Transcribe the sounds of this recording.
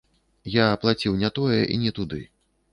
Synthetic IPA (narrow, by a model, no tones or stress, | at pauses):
jaːplˠat͡sʲiwnʲat̪ɔjɛʔḭnʲɛt̪ud̪ɨ̰